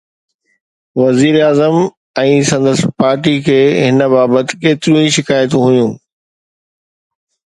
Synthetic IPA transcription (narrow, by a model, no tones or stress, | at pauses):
ʋɐziːɾaːzəm | ɛ̃ːsɐ̃nd̪əspaːɾʈikʰeːɦɪnəbaːbət̪ɪ̥̆keːt̪ɪɾũĩʃɪkaːjət̪ũɦʊjũː